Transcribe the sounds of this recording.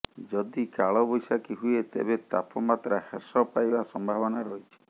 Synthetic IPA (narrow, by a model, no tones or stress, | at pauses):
d͡ʒɔd̪ikaɭɔbɔjsakiɦuet̪ḛbet̪apɔmat̪ɾahesɔpajbasɔmbʱabɔnaɾɔɦit͡ʃʰi̥